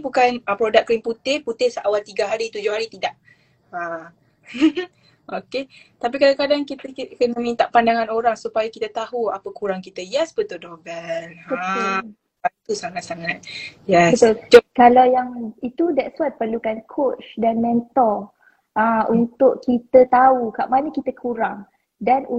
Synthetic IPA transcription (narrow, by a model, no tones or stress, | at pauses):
bukanəpɾodaʔkɾimput̪ɪhput̪ɪhsʔawalt̪iɡaɦaɾit̪ud͡ʒʊhaɾit̪idaʔ | a | ʔoket̪ap̬ikadakadaŋkit̪əkənamĩnt̪aʔpandaŋãnoɾaŋsupajakit̪ət̪aɦuapəkuɾaŋkit̪əjɛsbət̪odobɛla | ait̪usaŋat̪̚saŋat̪̚jɛsbət̪ld͡ʒɔkalawjaŋit̪udɛtswat̪̚pərlukankʰot͡ʃdanmɛ̃nt̪ɔl | ʔãunt̪ʊʔkit̪ət̪aukaʔmanəkit̪əkʰuɾaŋ | danu